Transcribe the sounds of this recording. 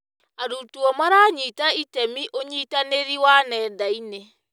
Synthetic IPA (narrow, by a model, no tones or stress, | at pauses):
aɾutuɔmaɾaɲiːtaitɛmiʔoɲitaneɾiwanɛːdaine